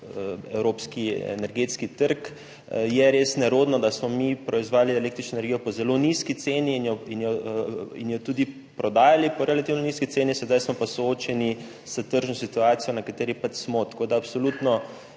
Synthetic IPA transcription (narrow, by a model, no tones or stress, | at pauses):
ɛwɾoːpskiɛ̰nɛɾɡet̪skit̪əɾk | jɛɾeːsnɛɾoːd̪nɔd̪asmɔmipɾɔizʋaːjaliɛlekt̪ɾit͡ʃnɔenɛɾɡijɔpɔzɛloniskit̪seːniːnjɔinjɔḭnjɔt̪uːd̪i | pɾɔd̪aːjalipɔɾɛlat̪iːwnɔniskit̪eːnisɛd̪ajsmɔpasooːt͡ʃɛni | sət̪əɾʒnɔsit̪uaːt̪sijɔnɐkat̪eːɾipat͡ʃsmɔt̪ɐ̥koːd̪aːpsolut̪nɔ